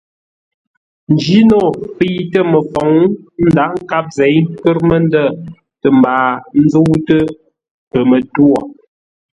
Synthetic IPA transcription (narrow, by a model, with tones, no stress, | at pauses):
n˨d͡ʒi˦nɔ˦˨pi˦tə˦mə˨fɔ˨ŋn̩˦da˨˦ŋ̩˦ka˦p̚zɛ˨˦jkə˦ɾmə˦n˦də˦˨ | tə˨m˨baː˨n̩˦zə˦wtə˦ | pə˨mə˨twɔ˨